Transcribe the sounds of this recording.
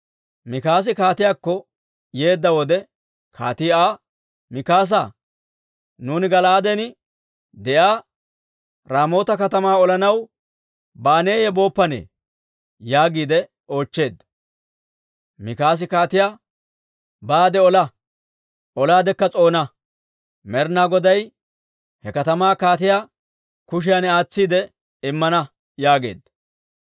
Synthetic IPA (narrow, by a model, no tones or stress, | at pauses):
mɪkaːs̬ɪkaːt̪ɪjaːkːɔ | je̞ːd̪ːɐwɔd̪ɛ | kʰa̰ːt̪ɪaː | mɪkaːs̬a | nuːnɪɡɐlaːd̪ɛnɪ | d̪ɛjaː | ɾaːmo̞ːt̪ɐkɐt̪ɐmaːɔlɐnɐw | baːne̞ːjɛbo̞ːpːɐnḛː | jaːɡiːd̪ɛ | o̞ːt͡ʃːe̞ːd̪ɐ | mɪkaːs̬ɪkaːt̪ɪjaː | baːd̪ɛɔlɐ | ɔlaːd̪ɛkːɐt͡sʼo̞ːnɐ | mɛɾnaːɡɔd̪ɐj | hɛkɐt̪ɐmaːkaːt̪ɪjaː | kʊʃ̬ɪjanɛaːt͡sːiːd̪ɛ | ɪmːɐnɐ | jaːɡe̞̰ːd̪ːɐ